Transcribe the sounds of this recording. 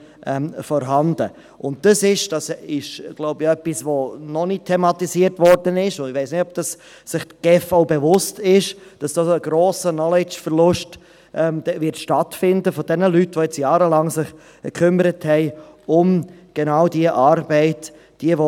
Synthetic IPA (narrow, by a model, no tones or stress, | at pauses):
ʔɛmfɔɾɦɑndə | ʔʊnt̚d̥ɑsɪʃd̥ɑsɪʃɡ̥lɔʊbəœpːisʋonɔnitʰːɛmɑt̪isiəɾtvɔɾdənɪʃʊʋɛɪsnɪtɔb̚d̥ɑs | sɪχtɡ̥ɛfɔʊbevʊstɪʃd̥ɑsd̥ɑːsəɡɾoːsənɔlɪt͡ʃfəɾlʊʃt | ʔɛmdɛvɪɾtʃtɑtfɪndəfɔd̥ɛnəlytʋojɛt͡sjɑːɾəlɑŋsɪχ | kʰʏməɾəthɛɪʊmɡ̥enɑʊdiəʔɑːɾbɛɪtː | d̥iəʋo